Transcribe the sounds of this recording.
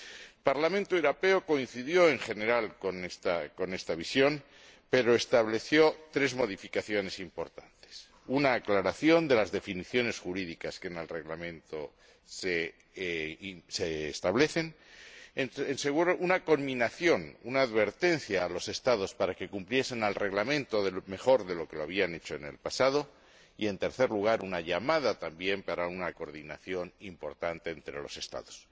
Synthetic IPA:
epaɾlamẽnt̪oewɾope̞oko̞in̟θiðjo̞e̞ŋxe̞ne̞ɾalkonest̪ako̞ne̞st̪aβ̞isjo̞m | pe̞ɾo̞e̞st̪aβle̞θjo̞t̪ɾe̞zmo̞ðifikaθjo̞ne̞simpo̞ɾt̪ant̪e̥s | unaːklaɾaθjo̞nd̪e̞lazðe̞finiθjo̞ne̞sxuɾiðikaskene̞lre̞ɣlamẽ̞nt̪o̞ | se | seːst̪aβle̞θe̞n | enenseɣuɾoʔunako̞mmĩnaθjo̞nunaːðβe̞ɾt̪e̞n̟θjaːlo̞se̞st̪aðo̞spaɾake̞kumplje̞se̞nalre̞ɣlamẽ̞nt̪o̞ðeme̞xo̞ɾðe̞lo̞ke̞loaβ̞iane̞t͡ʃo̞ene̞̰lpasaðo̞ | ie̞nt̪e̞ɾθe̞ɾluɣ̞aɾunaʝamaðat̪ambje̞mpaɾaunako̞ɾðinaθjo̞nimpo̞ɾt̪ant̪e̞ːnt̪ɾe̞̰lo̞̰se̞st̪a̰ðo̞s

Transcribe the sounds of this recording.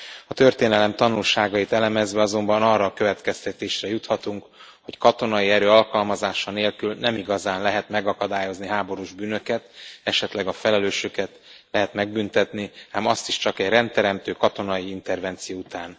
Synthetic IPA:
ɒt̪ø̞rt̪eːnɛlɛmt̪ɒnulʃaːɡɒjit̪ɛlɛmɛzvɛɒzo̞mbɒnɒrːɒːkø̞vɛt̪kɛst̪ɛt̪eːʃrɛjut̪hɒt̪uŋk | ho̞ckɒt̪o̞nɒjiɛɾøːɒlkɒlmɒzaːʃɒneːlkylnɛmiɡɒzaːnlɛɦɛt̪mɛɡɒkɒd̪aːjo̞zniɦaːbo̞ɾuʒbyːnøkɛt̪ɛʃɛt̪lɛɡɒfɛlɛløːʃøkɛt̪lɛɦɛt̪mɛɡ̚bynt̪ɛt̪niaːmɒst̪iʃt͡ʃɒkɛɟrɛnt̪ɛɾɛmt̪øːkɒt̪o̞nɒiint̪ɛrvɛnt̪sijout̪aːn

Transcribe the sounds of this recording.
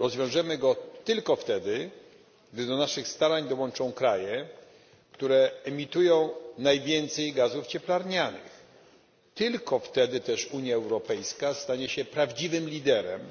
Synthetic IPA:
ɾɔzvʲjɔ̃w̃ʐɛmɘɡɔt̪ɘlkɔft̪ɛd̪ɘ | ɡd̪ɘd̪ɔnaʂɘxst̪aɾaɲd̪ɔwɔnt͡ʂɔ̃w̃kɾajɛ | kt̪uɾɛːmʲit̪ujɔ̃w̃najvʲjɛnt̪sɛjɡazuft͡ɕɛplaɾɲanɘ̰ɪ̰x | t̪ɘlkɔft̪ɛd̪ɘt̪ɛʂuɲjaɛwɾɔpɛjskast̪aɲɛɕɛpɾavd͡ʑivɘmlʲid̪ɛɾɛ̰m

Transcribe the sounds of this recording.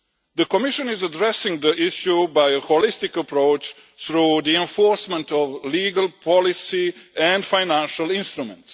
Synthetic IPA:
d̪əkomiʃə̃nizədɾɛsɪ̃ŋɡd̪əʔiʃjubajəholist̪ɪkəpɾoʊt͡ʃ | θɾuːd̪iɛ̃ɱfoɾsmɛ̃nt̪ɔʋliːɡalˠpʰɔlisiɛ̃ndfajnæ̃nʃalĩnst̪ɾumɛ̰̃nt̪s

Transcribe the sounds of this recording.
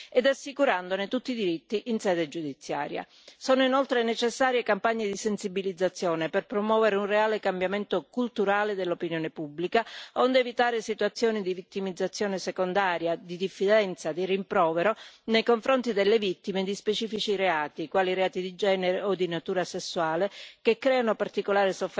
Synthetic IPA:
ed̪asːikuɾand̪onet̪ut̪ːid̪iɾit̪ːiʔinsɛːd̪ed͡ʒud̪it̪sːja̰ːɾja̰ | sɔːnoinolt̪ɾenet͡ʃesːaːɾjekampaɲːed̪isensibilid̪zːat̪sːjɔːneperpɾomwɔːveɾeunreaːlekambjament̪okult̪uɾaːled̪elːopinjɔːnepubːlikaond̪eevit̪aːɾesit̪uat̪sːjɔːnid̪ivit̪ːimid̪zːat̪sːjɔːnesekond̪aːɾjad̪id̪ifːid̪ɛnt̪sad̪irimpɾɔːveɾonejkoɱfɾont̪id̪elːevit̪ːimed̪ispet͡ʃiːfit͡ʃiɾeaːt̪ikwaːliɾeaːt̪id̪id͡ʒɛːneɾeod̪inat̪uːɾasesːwaːlekekːɾɛːanopart̪ikolaːɾesof

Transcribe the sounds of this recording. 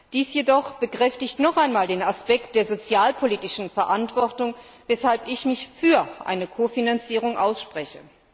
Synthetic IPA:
d̥iːsjedɔχb̥əkʁ̥ɛftɪçtnɔχʔaɪnmaːldeːnaspɛk̚t̚d̥eːɐzot͡sjaːlpʰoliːtɪʃn̩fɛɐʔantv̥ɔɐtʊŋ | vɛshalpɪçmɪçfyːɐʔa̰ɪnəkʰoːfinant͡siːʁ̞ʊŋʔaʊsʃpʁ̥ɛçə

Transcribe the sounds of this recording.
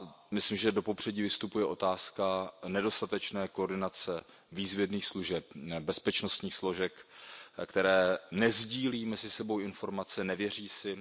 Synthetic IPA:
mɪslimʒɛdo̞po̞pr̝̥ɛɟiːvɪst̪upujɛʔo̞t̪aːskanɛdo̞st̪at̪ɛt͡ʃnɛːkoɾdɪnat͡sɛ | viːzvjɛdniːxsluʒɛp̚bɛspɛt͡ʃno̞st̪ɲiːxslo̞ʒɛkkt̪ɛɾɛːnɛzɟiːliːmɛzɪsɛbo̞wɪnfo̞ɾmat͡sɛnɛvjɛr̝iːsɪ

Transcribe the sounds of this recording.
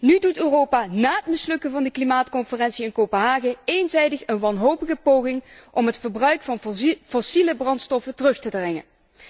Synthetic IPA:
nydutøːrowpaːnaːətmɪslɵkəvɑndəklimaːtkɔnfərɛnsiɪnkowpənɦaːɣəenzɛjdəχənʋɑnɦowpəɣəpowɣɪŋʔɔmɦətfəɹbrœɥkfɑnfɔsiləbrɑntstɔfətərɵχtədrɛŋə̰n

